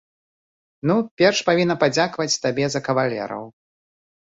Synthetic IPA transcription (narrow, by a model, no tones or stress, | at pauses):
nupʲɛrʂpavʲinːɐpad͡zʲakvɐt͡sʲt̪abʲɛzɐkɐvalʲɛ̰ɾɐ̰w